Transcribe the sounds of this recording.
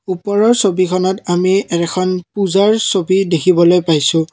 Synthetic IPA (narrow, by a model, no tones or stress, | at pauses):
upɔɹɔɹsobikʰɔnɔtamiɛɹɛkʰɔnpuzaɹsobidekʰibɔlojpajsʊ̃